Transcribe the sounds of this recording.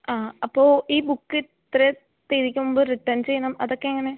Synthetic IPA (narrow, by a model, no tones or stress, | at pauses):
aːɐpːoːiːbukːɨt̪ːɾe | t̪eːðikʲːummboɾiʈːɐnt͡ɕejːɐnamɐðokːeːŋːɐne